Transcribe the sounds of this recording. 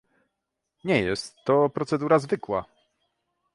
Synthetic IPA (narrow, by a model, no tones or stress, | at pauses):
ɲɛjɛst̪ːɔpɾɔt̪sɛd̪uɾazvɘkwa